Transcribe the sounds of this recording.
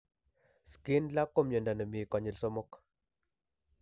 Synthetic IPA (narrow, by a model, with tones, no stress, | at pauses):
skɪ˦nla˦kːo˦mɲo˨nda˨nə˨mi˨kɔ˨ɲɪ˨lso˦mo˦k